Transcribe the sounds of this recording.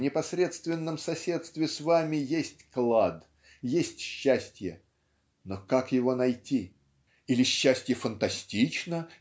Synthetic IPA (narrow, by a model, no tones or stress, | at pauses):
nʲɪpɐsɾʲe̞t̪st̪vʲɪnːəmsɐsʲe̞t̪st̪vʲɪsvamʲɪjesʲtʲklˠad̪ | jesʲtʲɕːæsʲtʲjə | nokakjɪvo̞nɐjtʲi | ilʲɪɕːæsʲtʲjəfənt̪ɐsʲtʲit͡ɕnə